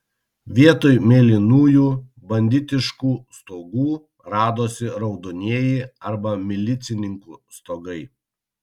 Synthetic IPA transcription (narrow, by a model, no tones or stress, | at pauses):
ʋʲiɛt̪oːjmʲeːlʲɪnuːjuː | bɐnʲd̪ʲɪt̪ʲɪʃkuːst̪oːɡuː | ɾɑːd̪oːsʲɪɾɒʊd̪oːnʲiɛjɛɪɐɾbɐmʲɪlʲɪt̪sʲɪnʲɪŋkṵːst̪oːɡɐɪ